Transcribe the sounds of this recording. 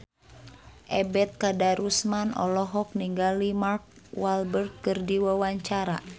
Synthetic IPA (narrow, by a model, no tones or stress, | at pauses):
ʔɛbɛt̪̚kadaɾusmanɔ̰lɔɦɔk̚niŋɡalimark̚ | walbərt̪̚kɨrdiwawaɲt͡ʃaɾa̰